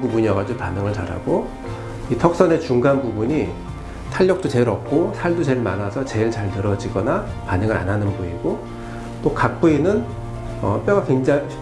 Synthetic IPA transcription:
bubuɲijʌɡad͡ʑopanɯŋɯɭt͡ɕaɾa̰ɡo | itʰʌk̚s͈ʌne̞t͡ɕuŋɡanbubuɲi | tʰaʎːʌk̚t͈ot͡ɕe̞ɾʌp̚k͈ʰosʰaɭdot͡ɕe̞ɭmanasʰʌt͡ɕe̞ɭt͡ɕaɭnɯɾʌd͡ʑiɡʌnapanɯŋɯɾa̰nɦanɯnbuiɡo | t͈okak̚p͈uinɯn | ʌ̰p͈jʌɡakweŋd͡ʑa

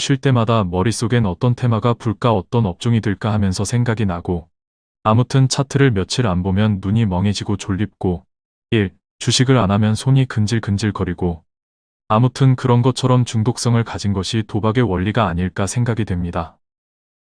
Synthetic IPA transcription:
ɕʰiɭt͈e̞madamʌɾis͈oɡenʌt͈ʌntʰe̞maɡapuɭk͈aʌt͈ʌnʌp̚t͡ɕ͈oŋidweɭk͈ahamjʌnsʰʌsʰe̞ŋɡaɡinaɡo | amutʰɯnt͡ɕʰatʰɯɾɯɭmjʌt͡ɕʰiɾanbomjʌnːuɲimʌŋɦe̞d͡ʑiɡot͡ɕoʎːip̚k͈o | iɭ | t͡ɕuɕʰiɡɯɾanamjʌnsʰoɲikɯnd͡ʑiɭkɯnd͡ʑiɭkʌɾiɡo | amutʰɯnkɯɾʌnɡʌt͡ɕʰʌɾʌmt͡ɕuŋdok̚s͈ʌŋɯɭkad͡ʑinɡʌɕʰitobaɡe̞wʌʎːiɡaːɲiɭk͈asʰe̞ŋɡaɡidwe̞mɲida

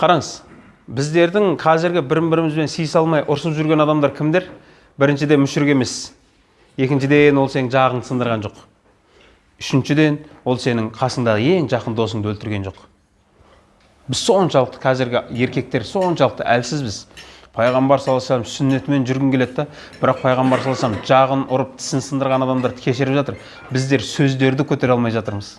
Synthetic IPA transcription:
qʰɑɾɑɴəz | bɪzd̪e̞ɾd̪ɪŋqʰɑzɪɾɡʲɪbɪɾɪmbɪɾɪmɪzbe̞nsijɪsɑlˠmɑjʔʊɾsəpʒʏɾɡʲe̞nɑd̪ɑmd̪ɑɾkʲʰɪmd̪e̞ɾ | bɪɾɪnʃɪd̪e̞mʏʃʏɾɪkʲe̞me̞s | je̞kʲɪnʃɪd̪enwo̞lˠse̞nɪŋʒɑʁəɴd̪əsənd̪əɾʁɑnʒo̞q | ʏʃɪnʃɪd̪e̞nwo̞lˠse̞nɪŋqʰɑsəɴd̪ɑʁəe̞ŋʒɑqənd̪o̞səŋd̪wɵlt̪ɪɾɡʲe̞nʒo̞q | bɪz̥so̞nʃɑlˠəqt̪ə̥qʰɑzɪɾɡʲɪe̞ɾkʲe̞k̚t̪e̞ɾso̞nʃɑlˠəq̚t̪ə̰ʔælsɪzbɪzpʰɑjʁɑmbɑɾsɑlˠɑsɑmzsʏnːe̞t̪me̞nʒʏɾɡʲɪŋkʰʲe̞le̞t̪ːd̪ɑ | b̥ɪɾɑq̚pʰɑjʁɑmbɑɾsɑlˠɑsɑmzʒɑʁənʊɾəp̚t̪ʰɪ̥sɪnsənd̪əɾʁɑnɑd̪ɑmd̪ɑɾt̪ʰɪ̥kʲʰe̞ʃɪɾɪpʒɑt̪əɾ | bɪzd̪e̞ɾsɵzd̪e̞ɾd̪ɪkʲʰɵt̪e̞ɾɑlˠmɑjʒɑt̪əɾməz

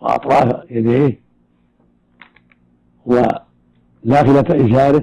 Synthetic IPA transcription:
w̰ʔɑ̰t̪ˤɾˤɑːfjad̪eːh | wa | laːfɪlat̪ʔɪd͡ʒaːɾɪ

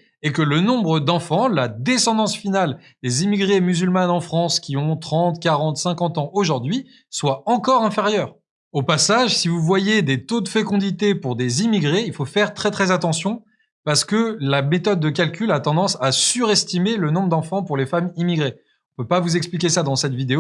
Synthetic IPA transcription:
ekələnɔ̃bʁəd̪ɑ̃fɑ̃lad̪esɑ̃d̪ɑ̃sfinal | d̪ezimiɡʁemyzylmanɑ̃fχɑ̃skʲiɔ̃t̪χɑ̃t̪kaʁɑ̃t̪sɛ̃kɑ̃t̪ɑ̃oʒuʁd̪ɥi | swaɑ̃kɔʁɛ̃feʁjœːʁ | opasaʒsivuvwajed̪et̪od̪əfekɔ̃d̪it̪epuʁd̪ezimiɡʁeilfofɛʁt̪χɛt̪χɛzat̪ɑ̃sjɔ̃ | paʁsə̥kəlamet̪ɔd̪ːəkʲalkʲylat̪ɑ̃d̪ɑ̃sasyʁɛst̪imelənɔ̃bʁəd̪ɑ̃fɑ̃puʁlefamimiɡʁe | ɔ̃pøpavuzɛksplikʲesad̪ɑ̃sɛt̪vid̪eo

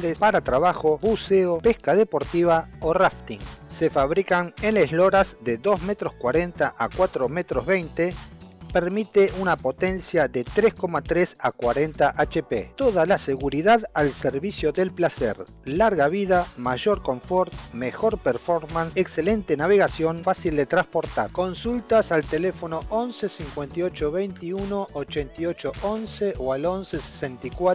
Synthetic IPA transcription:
ɾespaɾat̪ɾaβaxo̞buseopeskaðepo̞ɾt̪iβaoraft̪iŋsefaβɾikaneneslo̞ɾazðeðo̞zmet̪ɾoskwaɾent̪aʔakwat̪ɾomet̪ɾozβejnt̪epeɾmit̪eʔunapo̞t̪ensjaðet̪ɾesko̞mat̪ɾesakwaɾe̞nt̪aʔat͡ʃepḛt̪o̞ðalaseɣuɾiðaðalseɾβisjo̞ðe̞lplasḛɾ | laɾɣaβiðamaʒo̞ɾko̞ɱfo̞ɾt̪mexo̞ɾpeɾfoɾmansekselent̪enaβe̞ɣasjo̞nfasild̪e̞t̪ɾaspo̞ɾt̪a̰ɾko̞nsult̪asalt̪elefo̞no̞ʔo̞nsesiŋkwe̞nt̪io̞t͡ʃo̞βejnt̪iuno̞ʔot͡ʃent̪io̞t͡ʃo̞ʔonseʔoalo̞nsese̥sent̪ikwa

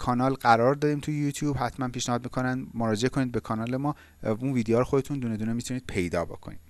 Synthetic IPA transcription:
kʰɒːnɒːlɢæɾɒːɾd̪ɒːɾiːmt̪ʰujejut̪ʰjuːbhæt̪ʰmænpʰiːʃnehɒːd̪miːkʰo̞nænd̪moɾɒːd͡ʒeekʰo̞niːd̪̚bekʰɒːnɒːlemɒː | unviːd̪eɒːɾoxod̪et̪ʰund̪uːne̞d̪uːnemit̪ʰuniːd̪̚pʰe̞jd̪ɒ̰ːbo̰kʰo̞̰niːd̪̥

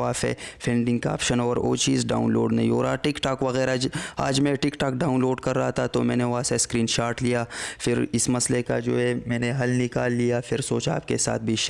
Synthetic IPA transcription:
aːfɛ̰fʰɛ̃ːɳɖɪ̃ŋɡka̰ːpʃənɔːɾo̰ːt͡ʃiːzɖa̰ːʊnlo̰ːɖnɐɦĩoːɾaːʈɪkʈaːkʋɐɣɛːɾad͡ʒa̰ːd͡ʒmẽʈɪkʈaːk̚ɖaːʊnloːɖkɐɾːaɦat̪ʰat̪omɛ̃ːneʋaseskɾiːnʃaːɾʈlijaːfɪɾɪsmɐsleka̰d͡ʒoːɦɛmɛ̃ːneɦɐlnɪkaːlːijafɪɾsoːt͡ʃa̰ːp̚kesa̰ːt̪̚ʰbʱiʃ

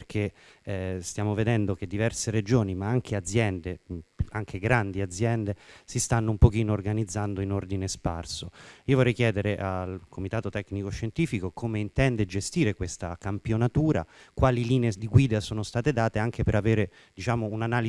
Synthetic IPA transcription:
rkʰe | st̪jaːmoved̪ɛnd̪oked̪ːivɛrseɾed͡ʒoːnimaaŋkʰead̪zjɛnd̪eaŋkʰeɡɾand̪iad̪zːjɛnd̪esist̪anːoumpok̟iːnoːrɡanid̪zːand̪oinord̪inespa̰rsoiːovorɛjkjɛːd̪eɾeʔalkʰomit̪aːt̪ot̪ɛknikoʃːent̪iːfikokomeint̪ɛnd̪ed͡ʒest̪iːɾekwest̪akampjonat̪uːɾa̰kwaːliliːneed̪iɡwiːd̪asoːnost̪aːt̪ed̪aːt̪eaŋkepeɾaveːɾe | d̪̥it͡ʃaːmounanaːli

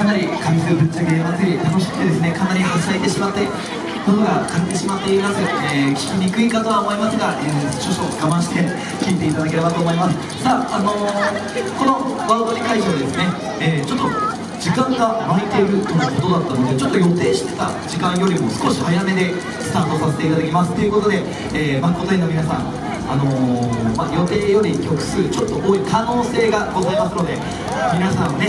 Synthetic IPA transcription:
kanaɾʲikaisɨːbɯt͡ɕːaɡeβat͡sɨɾʲit̪ano̞ɕi̥kɯ̥t̪e̞d̪e̞sɨne̞kanaɾʲihasaet̪e̞ɕimat̪ːe | kot̪oɡakaɾet̪e̞ɕimat̪ːe̞imasɨeːkʲi̥kʲiɲikɯ̟ikat̪o̞βaomo̞imasɨɡaʔeːt͡ɕoɕoɡabãɕi̥t̪e̞ | kʲiːt̪e̞it̪ad̪ak̬e̞ɾe̞bat̪o̞ːmo̞imasɨ̥ | saːano̞ | ko̞no̞baːt̪o̞ɲʲikaiʑoad̪e̞sɨne̞ | eːt͡ɕot̪ːo | d͡ʑikãŋɡamait̪e̞ɾɯ̟t̪onako̞t̪o̞d̪at̪ːano̞d̪e̞t͡ɕo̞t̪ːojo̞t̪e̞ːɕi̥t̪e̞̥t̪a | d͡ʑikãɰ̃jo̞ɾʲimo̞sɨ̥ko̞ɕihajame̞d̪e̞ | sɨ̥t̪aːt̪o̞sase̞̥t̪e̞it̪ad̪akʲimasɨ̥t̪ːo̞jɯ̟ko̞t̪o̞d̪e̞ | eːbaŋkot̪oĩnomʲinasã̰ŋ̃ | ano̞majo̞t̪e̞ːjo̞ɾʲikʲo̞kɯ̟̥sɨːt͡ɕo̞t̪ːo̞ʔoːikʰano̞ːse̞ːɡaɡo̞zaimasɨno̞d̪e̞ | mʲinasãɰ̃ne

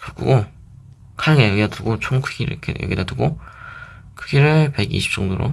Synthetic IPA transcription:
kɯk͈ʰṵɡo | kʰaɭɡejʌɡidadɯɡot͡ɕʰoŋkʰɯ̥ɡʰiɾɯ̰kʰḛjʌ̰ɡid̪adɯɡo | kʰɯ̥ɡʰiɾɯɭpe̞ɡḭɕʰi̥p̚t͡ɕ͈ʌŋdoɾo̰

